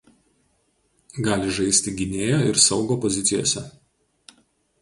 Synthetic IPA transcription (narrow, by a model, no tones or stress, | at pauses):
ɡɑːlʲɪʒɐɪsʲt̪ʲɪɡʲɪnʲeːjoːɪɾsɒʊɡoːpɔzʲɪt̪sʲɪjo̰ːsʲɛ